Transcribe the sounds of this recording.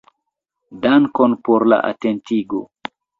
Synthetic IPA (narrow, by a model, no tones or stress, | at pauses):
daŋkonpoɾla̰ʔa̰tentiɡo̰